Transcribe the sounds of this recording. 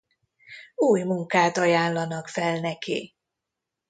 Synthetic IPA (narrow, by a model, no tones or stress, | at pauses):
uːjmuŋkaːt̪ɒjaːnlɒnɒkfɛlnɛkḭ